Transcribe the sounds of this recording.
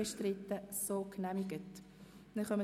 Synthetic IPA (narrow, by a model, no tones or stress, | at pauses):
ɛʃtɾɪt̪ːəsoːknæmiɡət | nɛχœmə